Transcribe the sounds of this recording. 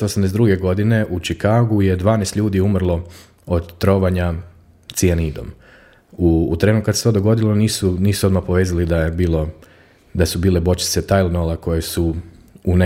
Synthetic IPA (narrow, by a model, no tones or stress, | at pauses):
osamd̪ezd̪ɾuɡe̞ɡo̞d̪ine̞ʔut͡ʃikaːɡuje̞d̪ʋaːnest̪ʎʲuːd̪iumrlˠo̞ | od̪t̪ːɾo̞ʋaɲa | t̪sianiːd̪o̰m | uːt̪ɾe̞ːnukad̪set̪od̪oɡo̞d̪ilo̞niːsuniːsuo̞d̪mapoʋeːzalid̪ajebiːlˠo̞ | d̪asubiːlebo̞t͡ʃi̥t̪se̞t̪ajlˠnolako̞jesu | une